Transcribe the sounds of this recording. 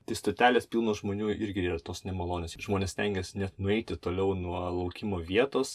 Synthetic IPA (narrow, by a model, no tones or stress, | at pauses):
t̪ɐɪst̪oːt̪ʲæːlʲeːspʲilˠnoːʒmoːnʲuːʔɪɾʲɡʲɪiːrɐt̪oːsnʲɛmɐlˠoːnʲeːsʒmoːnʲeːsʲt̪ʲɛŋʲɡʲɛːsnʲɛt̪nʊɛɪt̪ʲɪt̪oːlʲɛʊnuɔlˠɐʊkʲɪmoːʋʲiɛt̪oːs